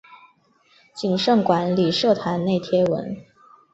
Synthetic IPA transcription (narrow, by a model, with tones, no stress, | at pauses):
t͡ɕi˨˩nʂɤ˥˩ŋkwa˧˥nli˨˩ʂɤ˥˩t̪ʰa˧˥nne˥˩ɪt̪ʰjɛ˥wə̰˧˥n